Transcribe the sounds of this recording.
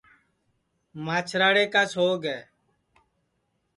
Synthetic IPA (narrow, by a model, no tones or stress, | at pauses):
maːt͡ʃʰɾaːɽeːkaːsʰɦoːɡɛː